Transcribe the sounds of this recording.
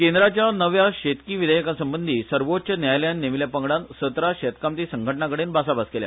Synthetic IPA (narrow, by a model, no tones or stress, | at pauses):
kend̪ɾat͡ɕjanəʋjaɕet̪kiːʋid̪əjəkasəmbənd̪ʱiːsəɾʋot͡ɕənjajljanːemiljapəŋɡɽãnsət̪ɾaɕet̪kamt̪iːsəŋɡʱəʈɳakəɽeːnbasabaskelja̰